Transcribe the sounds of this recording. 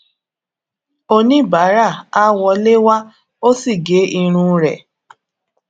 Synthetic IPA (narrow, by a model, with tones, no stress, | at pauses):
o˧nĩ˦ba˨˦ɾa˦˨a˦wɔ˧le˦wa˦ | o˦si˦˨ɡe˨˦i˧ɾ̃ũ˧ɾɛ̰˨